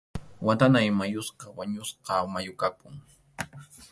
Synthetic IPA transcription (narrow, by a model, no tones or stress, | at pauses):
wat̪anajmajʊsqɑwaɲʊsqɑmajʊkapʊŋ